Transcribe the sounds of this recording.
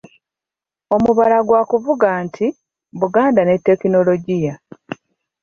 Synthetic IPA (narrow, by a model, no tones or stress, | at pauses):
o̞muβalaɡwaːkuvuɡaːntʰi | βuɡaːndane̞tːe̞kino̞lo̞ɟija